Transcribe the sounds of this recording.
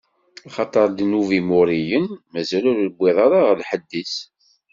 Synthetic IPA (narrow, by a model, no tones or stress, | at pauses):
ɑχɑt̪ˤəɾˤd̪nuvimʊɾijənmæzælʊɾlbʷːiðˤɑɾˤɑʁəlħəd̪ːis